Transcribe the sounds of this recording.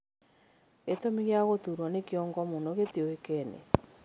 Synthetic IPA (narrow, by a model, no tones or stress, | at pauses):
et̪omiɣjaɣot̪uɾwɔnekjɔŋɡɔmunoɣet̪eoekɛnḛ